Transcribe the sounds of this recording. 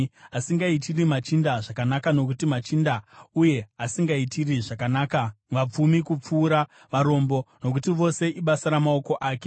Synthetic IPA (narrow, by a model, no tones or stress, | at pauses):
asiŋɡaitirimat͡ʃindaʐakanakano̞k̬utimat͡ʃindauje̞asiŋɡaitiriʐakanaːkaʋap͡fumikup͡fuːɾa | ʋaɾo̞mbo̞no̞k̬utiʋo̞se̞ʔiɓasaɾamao̞ko̞ʔaːke